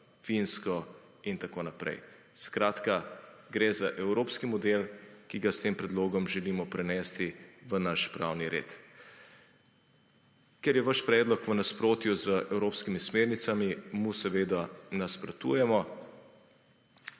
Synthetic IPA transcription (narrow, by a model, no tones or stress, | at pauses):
finskɔ | int̪akoːnapɾɛ̰j | skɾaːt̪kaɡɾezaʔɛwɾoːpskimɔd̪elkiɡast̪empɾɛd̪loːɡɔmʒɛliːmɔpɾɛnɛːst̪iʋənaʃpɾa̰wniɾḛːt̪ | kɛɾjɛʋaʃpɾɛːd̪lɔkʋənaspɾoːt̪juzəʔɛwɾoːpskimismeːɾnit̪samimusɛʋeːd̪anaspɾɔt̪ṵjɛmɔ